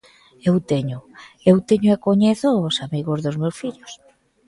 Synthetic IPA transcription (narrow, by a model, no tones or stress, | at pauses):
ewt̪eɲʊ | ewt̪eɲʊekoɲeθosamiɣozðozmewsfiʎos